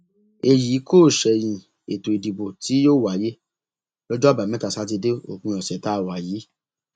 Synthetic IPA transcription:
e˧ji˨˦koː˦˨ʃɛ˨j̃ĩ˨ | e˨to˨i˨di˨bo˨ti˨˦joː˦˨wa˨˦je˦ | lɔ˦d͡ʒɔ˦˨ba˨mɛ̃˦ta˨sa˨˦t̬i˧de˦o̰˨kũ˧jɔ˨sɛ˨˦ta˦˨wa˨jiː˨˦

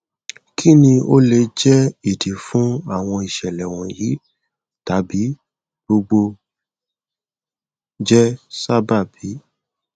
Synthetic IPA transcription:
kʰi˦nĩ˧o˦le˧d͡ʒɛ˦i˦˨di˨˦fũ˨˦a˦˨w̃ɔ̃˧i˨ʃɛ˨lɛ˨w̃ɔ̃˨ji˨˦ | ta˨˦bi˨˦ | ɡ͡bo˧ɡ͡bo˧ | d͡ʒɛ˦sa˦ba˦˨bi˨˦

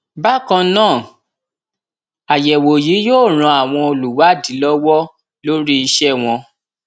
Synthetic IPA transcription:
ba˦kã˧nãː˦˨ | a˨jɛ˨wo˨ji˨˦joː˦˨ɾ̃ã˧a˨w̃ɔ̃˧o˧lu˨wa˨˦di˨˦lɔ˦wɔ˦ | lo˦ɾi˦i˧ʃɛ˦˨w̃ɔ̃˧

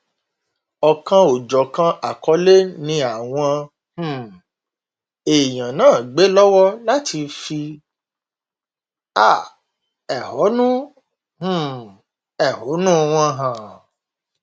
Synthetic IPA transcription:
ɔ˨kã˧o˨d͡ʒɔ˨kã˧ʔa˨kɔ˨˦le˦nĩ˧a˨w̃ɔ̃˧ | h̩˦˨ | e˨j̃ã˨nãː˦˨ɡ͡be˨˦lɔ˦wɔ˦la˦ti˧fi˧ | a˦˨ | ɛ˨hɔ˨˦nũ˦ | h̩˦˨ | ɛ˨hɔ˨˦nũ˦˧w̃ɔ̃˧ɦã˨

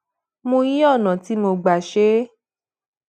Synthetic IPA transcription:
mo˧ji˦ɔ˦˨nã˨ti˨˦mo˧ɡ͡ba˨ʃe˦

